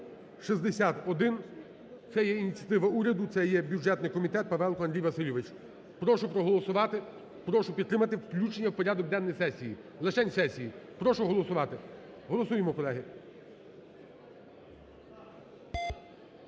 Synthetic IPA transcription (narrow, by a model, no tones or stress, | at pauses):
ʃizd̪esʲat̪ɔd̪ɪn | t̪sɛjɛinʲit͡sʲjɐt̪ɪʋɐuɾʲɐd̪ʊt̪sɛjɛbʲjud͡ʒɛt̪nɪjkɔmʲit̪ɛt̪̚pɐʋɛlˠkɔɐnd̪ɾʲijʋɐsɪlʲɔʋɪt͡ʃ | pɾɔʃʊpɾɔɦɔlˠɔsʊʋɑt̪ɪ | pɾɔʃʊpʲid̪t̪ːɾɪmɐt̪ɪwklʲut͡ʃenʲːɐwpɔɾʲad̪ɔk̚d̪ɛnːɔjsɛsʲijilˠɪt͡ʃɛnʲsɛsʲijipɾɔʃʊɦɔlˠɔsʊʋɑt̪ɪ | ɦɔlˠɔsujemɔkɔlˠɛɦɪ